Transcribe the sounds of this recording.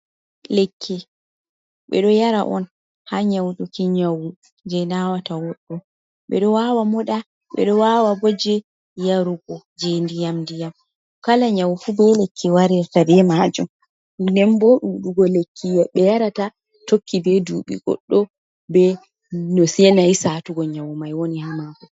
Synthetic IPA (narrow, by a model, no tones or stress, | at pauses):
lekʰːi | ɓɛ̰ɗɔjaɾa̰ʔɔ̰n | haɲawɗɔkiɲawu | d͡ʒɛnawatawɔɗːɔ | ɓɛ̰ɗɔwawamɔɗa | ɓɛ̰ɗɔwawabɔd͡ʒɛ | jaɾuɡɔ | d͡ʒɛndijamndijam | kalaɲawufubɛlekʰːiwaɾiɾtabɛmaːd͡ʒɔm | ndɛmbɔɗuɗuɡɔlekʰːijaɓɛjaɾata | tokʰːibɛduːɓḭɡɔ̰ɗːɔ | bɛ | nɔsiɛnajisatuɡɔɲawumajwonihamakɔ